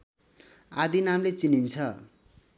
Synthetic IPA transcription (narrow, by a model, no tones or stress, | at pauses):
ad̪inamlet͡sinint͡sʰʌ